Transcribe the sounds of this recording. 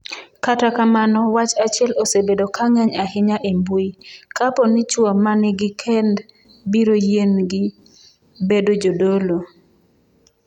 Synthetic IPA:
katakamanɔwat͡ʃat͡ʃɪɛlosebedokaŋɛɲahɪɲaʔembuikapɔnɪt͡ʃwɔmanɪɡɪkʰɛnd | biɾojenɡɪ | bedod͡ʒodolo

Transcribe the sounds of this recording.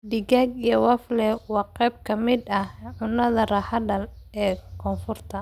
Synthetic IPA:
ɖɪɡaːɡijɐwɑflɛwɑːqɛjb̚kʰɐmɪd̪ɐhʕʊnːɐðɐrɑħɐdɐlɛːkʰɔːfʊrt̪ʰɐ

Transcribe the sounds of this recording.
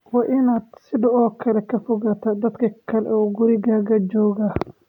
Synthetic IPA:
wɑːʔɪnaːd̪̥sɪðɐɔːkʰɐlɛkʰɐfɔɣaːt̪ʰad̪ɐd̪kʰɐkʰɐlɛ̰ʔuːɡʊɾɪɣaːɣɐd͡ʒɔːɣaː

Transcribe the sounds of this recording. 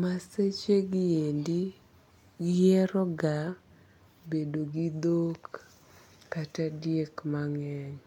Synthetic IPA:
maset͡ʃeɡɪendi | ɡɪjɛɾɔɡa | bedoɡid̪okː | atadjekmaŋɛɲ

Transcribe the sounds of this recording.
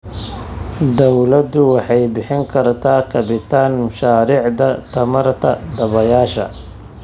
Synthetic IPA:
d̪ɔwlɐd̪ʊwɑħɑjbɪħɪŋkʰɐrt̪ʰaːkʰɐbɪt̪ʰaːnmʊʃaːɾiːʕd̪ɐt̪ʰɐmɐrt̪ʰɐ̰d̪ɐβɐjaːʃɐ̰

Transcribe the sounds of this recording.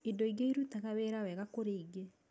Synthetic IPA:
idɔiɡeiɾutaɣaweɾawɛɣakoɾeiɡe

